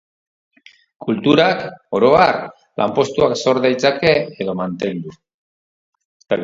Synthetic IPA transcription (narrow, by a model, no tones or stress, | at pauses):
kult̪uɾako̞ɾo̞ar | lʔa̰mpo̞st̪uakso̞ɾðajt͡sake̞ːðo̞mant̪e̞nd̪u | est̪aɣ